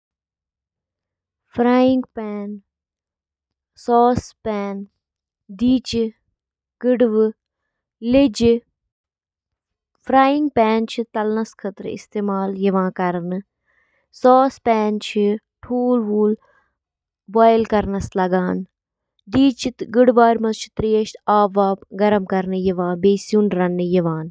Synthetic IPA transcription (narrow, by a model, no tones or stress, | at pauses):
fʰɾaːjɪŋɡpɛːn | sɔːspɛːn | d̪iːt͡ʃ | kɪɖʋɨ | lɪd͡ʒ | pʰɾaːjɪ̃ŋɡ̚pɛːnt͡ʃʰit̪ɐlnɐskʰɐt̪ɾɪ̰st̪eːmaːljɐʋãːkɐɾnɨ | sɔːspɛːnt͡ʃʰi | ʈʰuːlʋuːl | baːjɪlkɐɾnɐslɐɡaːn | d̪iːt͡ʃt̪ɡɪɽʋaːɾmɐzt͡ʃʰi̥t̪ɾijɐʃt̪ʰaːʋaːpɡɐɾɐmkɐɾnɨjɐʋãːbeːsjuːnɾɐnːɨjɐʋãːn